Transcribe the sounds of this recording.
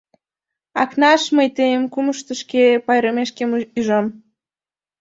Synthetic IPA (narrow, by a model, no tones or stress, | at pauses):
ɑknɑʃməjt̪ejəmkuməʃt̪əʃkepɑjɾəmeʃkemyʒɑm